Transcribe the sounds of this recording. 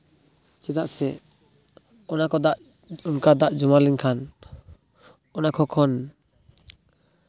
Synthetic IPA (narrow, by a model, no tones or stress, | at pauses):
t͡ʃɛd̪a̰ʔsɛ | ɔnakɔd̪aʔ | unkad̪aʔd͡ʒumaliŋkʰan | ɔnakʰɔkʰɔn